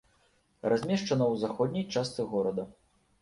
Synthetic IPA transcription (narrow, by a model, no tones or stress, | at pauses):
rʔazʲmʲɛʂt͡ʂɐnɐwzaxɔd̪ʲnʲijt͡ʂast̪sɨɣɔɾɐd̪ɐ